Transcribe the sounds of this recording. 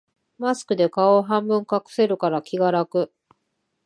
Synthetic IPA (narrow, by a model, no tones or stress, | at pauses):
masɨ̥kɯ̟d̪e̞kaoɦãmbɯ̟̃ŋkakɯ̟̥se̞ɾɯ̟kaɾakʲiɡaɾakɯ̟